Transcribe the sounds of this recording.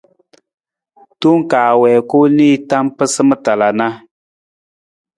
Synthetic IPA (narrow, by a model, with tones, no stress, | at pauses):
tu˦ŋ˦kaː˨wɛː˨ko˦niː˦˨ta˦mpɨ˦sɨ˦mɨ˦ta˨la˨na˦